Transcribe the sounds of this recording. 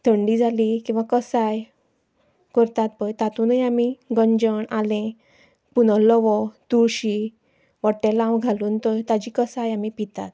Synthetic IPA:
t̪ʰəɳɖid͡zʱalikĩw̃ʋakəsaj | kəɾt̪at̪̚pəjt̪at̪ũnəjamiɡəɲd͡ʑəɳalɛ̃ | punɔləʋɔt̪uɾɕi | ʋəʈːelãwɡʱaluːnt̪ɔjt̪ad͡ʑikəsajamipit̪at̪̚

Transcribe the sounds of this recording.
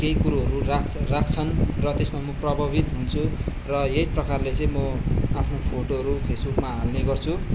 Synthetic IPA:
keikuɾuɦʌɾurakʰrak̚ʰt͡sʰʌnrʌt̪esmamʌprʌbʱʌbit̪ɦunt͡sʰurʌejprʌkarlet͡sʌ̃j̃mʌapʰnopʰoʈoɦʌɾupʰesbukmaalneɡʌrt͡sʰu

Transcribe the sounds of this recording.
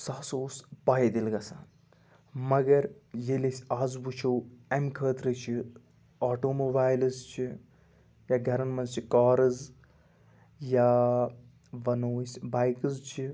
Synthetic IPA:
saːsoːspaːɦed̪ilɡɐsaːn | mɐɡɐɾjelesʲaːzbut͡ʃʰowemkʰəːt̪ɾət͡ʃʰi | aːʈoːmoːbaːjlɨzt͡ʃʰi | jaːɡʱɐɾɐnmɐzt͡ʃʰikaːɾɨz | jaː | ʋɐnoːsʲbaːjkɨzt͡ʃʰi

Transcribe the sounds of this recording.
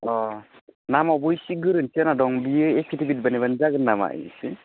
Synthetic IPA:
ɔ | namɔbujsiɡɯɾɯnsənadɔŋbijɯepʰitibit̚baniband͡ʒaɡɯnːama̰ʔḭsɯ

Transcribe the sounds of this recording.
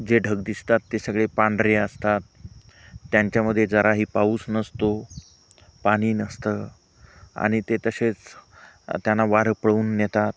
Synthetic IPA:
d͡ʑeɖʱəɡ̚d̪ist̪at̪ːesəɡɭepãɳɖɾeəst̪at̪ː | jaɲt͡ɕjaməd̪ʱːjed͡zəɾaɦiːpauːsnəst̪o | paɽ̃iːnəst̪əː | a̰ɽ̃it̪et̪əset͡s | t̪janːaʋaɾpəɭuːnːjet̪at̪̚

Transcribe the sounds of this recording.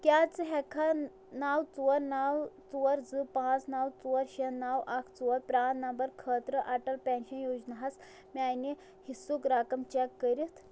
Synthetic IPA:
kjat͡sɦɛkʰa | nawt͡suʋəɾnawt͡suʋəɾd͡zɨpãt͡snawt͡suʋəɾɕenawʔakʰt͡suʋəɾpɾaːnɐmbəɾkʰəːt̪ɾəʔaʈəlpɛ̃nɕənjod͡ʑnaɦas | majne | hisukɾakɐmt͡ɕɛkːəɾit̪

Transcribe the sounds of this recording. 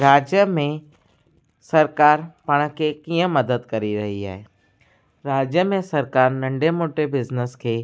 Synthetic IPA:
ɾaːd͡ʒjəmẽ | sɐɾkaːɾpɐɽ̃kʰekijə̃mɐd̪əd̪kɐɾiɾɐɦia̰ːɦeː | ɾaːd͡ʒjəmẽsɐɾkaːɾnɐ̃ɳɖemoːʈebɪznəskʰeː

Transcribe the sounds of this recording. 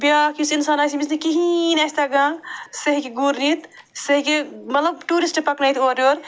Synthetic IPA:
bjakisinsaːnaːsimisnekiɦinɐsʲt̪ʰaɡãːsɐɦikiɡuɾnit̪ | sɐɦikemɐt̪lɐb̚ʈuːɾisʈpɐknaːjt̪ʰoːɾoɾ

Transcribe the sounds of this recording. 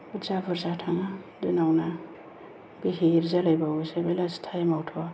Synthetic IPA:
buzabɯɾzatʰaŋadunawna | b̥iɦiɾzalajbawsebelastʰajmawtʰɔ

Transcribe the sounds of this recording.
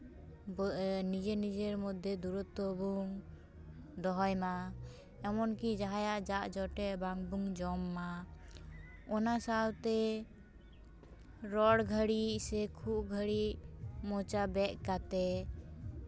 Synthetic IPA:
bnid͡ʒenid͡ʒeɾmud̪ʱjed̪uɾut̪ːɔbuŋ | d̪ɔɦɔjma | ɛmɔnkid͡ʒaɦajaʔd͡ʒaʔd͡ʒɔʈɛʔbaŋbuŋd͡ʒɔmːa | ɔnasawt̪ɛ | ɾɔɽɡʱəɽiʔsɛkʰuɡʱəɽiʔmɔt͡ʃabɛʔkat̪ɛ

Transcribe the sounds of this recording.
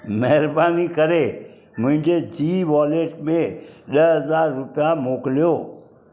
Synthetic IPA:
mɛɦɪɾbaːnikɐɾe | mʊ̃ɦɪ̃ɲd͡ʑed͡ʑiːʋɔːleːʈmẽɗəɦɐzaːɾːʊpijamoːkɪlijoː

